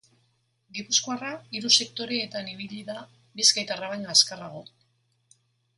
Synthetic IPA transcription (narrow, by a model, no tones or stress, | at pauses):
ɡipuskoaraiɾuse̞kt̪o̞ɾeːt̪aniβ̞iʎiða | biskajt̪araβajɲaskaraɣ̞o̞